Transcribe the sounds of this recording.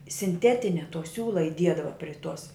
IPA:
sʲɪnʲˈtʲæːtʲɪnʲɛ toː ˈsʲuːlˠɐ ɪˈdʲiɛdɐʋɐ pʲrʲɪ tuɔs

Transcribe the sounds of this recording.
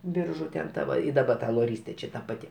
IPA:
ˈbʲɪrʒʊ tʲɛn ˈtɐ ʋɐ ɪ dɐˈbɐ tɐ lˠoːˈrʲiːsʲtʲeː ˈt͡ʃʲɛ ˈtɐ pɐˈtʲɪ

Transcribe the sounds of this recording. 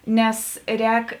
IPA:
ˈnʲɛs ˈrʲɛːk

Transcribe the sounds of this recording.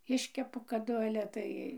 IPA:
ˈɪʃʲkʲɛpʊ kɐˈdʊ ɐlʲɛ ˈtɐɪ

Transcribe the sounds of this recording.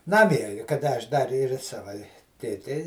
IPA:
ˈnɑːmʲiɛ kɐˈdɐ ɐʃ dɐr ɪr ɪ ˈsɑːʋɐ ɪ tʲeːˈtʲɛɪ

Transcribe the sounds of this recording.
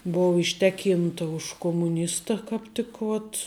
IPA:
ˈboːʋɐ ɪʃʲˈtʲæːˌkʲiːntɐ ʊʃ koːmʊˈnʲɪstɐ kɑːp ˈtʲɪk ʋoːt

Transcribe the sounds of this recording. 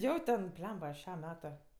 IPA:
ˈjoː tʲɛn ˈbʲlʲɛmbɐ ˈʃʲɛm ˈmʲæːtʊ

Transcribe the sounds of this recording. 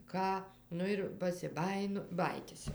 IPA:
ˈkɑː ˈnʊ ɪr pɐsʲɪˈbɑːjɪnʊ ˈbɑːjiːtʲɪs jɛʊ

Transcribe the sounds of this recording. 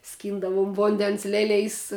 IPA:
ˈsʲkʲiːndɐʋʊm ˈʋoːnʲdʲɛns ˈlʲæːlʲeːjs

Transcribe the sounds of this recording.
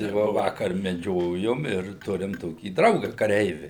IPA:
tɐɪ ˈʋoː ˈʋɑːkɐr mʲɛˈd͡ʒʲoːjʊm ɪr ˈtʊrʲɪm ˈtoːkʲiː ˈdrɐʊɡɐ kɐˈrʲɛɪʋʲɪ

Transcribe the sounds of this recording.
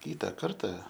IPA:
ˈkʲiːtɑː ˈkɐrtɐ

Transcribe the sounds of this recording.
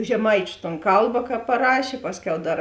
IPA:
ʒʲɛˈmɐɪt͡ʃʲʊ toːn ˈkɐlˠbɐ kɐ pɐˈrɑːʃʲeː ˈpɑːsʲˌkʲɛʊ ˈdɐr

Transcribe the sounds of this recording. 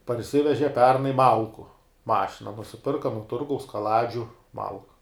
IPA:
pɐrʲˈsʲɪʋʲɛʒʲɛ ˈpʲɛrnɐɪ ˈmɐlˠkʊ ˈmɑːʃʲɪnɐ nʊsʲɪˈpʲɪrkɐ nʊ ˈtʊrɡɐʊs kɐˈlˠɑːd͡ʒʲʊ ˈmɐlˠkʊ

